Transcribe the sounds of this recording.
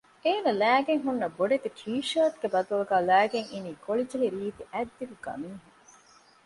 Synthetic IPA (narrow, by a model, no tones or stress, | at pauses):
eːnɐlæːɡeŋɦunːɐboɖet̪ikʰiːʃɐːt̪ɡebɐd̪uluɡæːlæːɡeŋiniːkoɭid͡ʒɐliɾiːt̪iʔæd̪ːiɡuɡɐ̰miːɦuŋ